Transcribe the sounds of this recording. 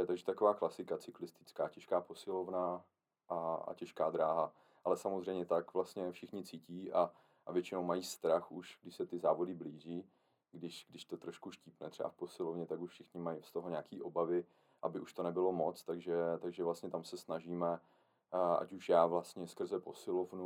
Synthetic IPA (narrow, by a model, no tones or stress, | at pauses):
ɛt̪aɡʒɛt̪akovaːklasɪkat͡sɪklɪst̪ɪ̥t͡skaːcɛʃkaːpo̞sɪlovna | ʔaa̰cɛʃkaːd̪ɾaːɦa | ʔalɛsamozrɛjmɲɛt̪akvlast̪ɲɛfʃɪxɲɪt͡siːciːʔa | ʔvjɛt͡ʃɪnowmajiːst̪ɾaxuʃɡdɪʃsɛt̪ɪzaːvo̞dɪbliːʒiː | ɡdɪʃɡdɪʃt̪o̞t̪ɾoʃkuʃcɪpnɛ̰t̪r̥ɛ̰ba̰fpo̞sɪlovɲɛt̪akuʃfʃɪxɲɪmajst̪oɦoɲaːkiːʔo̞bavɪ | ʔabɪʔuʃt̪o̞nɛbɪlo̞mo̞t͡st̪aɡʒɛt̪aɡʒɛvlast̪ɲɛt̪amsɛsnaʒiːmɛ | ʔa̰cuʃjaːvlast̪ɲɛskr̩zɛpo̞sɪlo̞vnu